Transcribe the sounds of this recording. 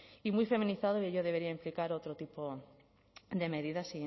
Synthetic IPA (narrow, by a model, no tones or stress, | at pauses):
imujfe̞mĩniθaðoieʎoðeβe̞ɾiaimplikaɾo̞t̪ɾot̪ipo | d̪e̞me̞ðiðasi